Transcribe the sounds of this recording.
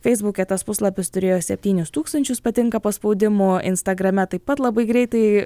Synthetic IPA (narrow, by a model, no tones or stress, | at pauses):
fʲɛɪzbʊkʲet̪ɐspʊslˠɐpʲɪst̪ʊɾʲeːjoːsʲɛpʲt̪ʲiːnʲʊst̪uːkst̪ɐnʲt͡ʃʲʊspɐt̪ʲɪŋkɐpospɐʊd̪ʲɪmʊɪnst̪ɐɡɾɐmʲɛt̪ɐɪpɐt̪lˠɐbɐɪɡɾʲɛɪt̪ɐɪ